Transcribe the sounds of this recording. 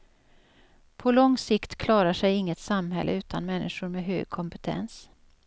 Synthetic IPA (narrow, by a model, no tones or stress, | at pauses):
pʰɔlɔŋsɪkt̪kʰlɑːɾaʂɛjɪŋːət̪samɦɛ̰lːʔə̰ʉ̟ːt̪ʰanmɛnːʔɪʂʊɾmeɦø̰ːɡ̚kʰɔmpət̪ʰɛ̰ns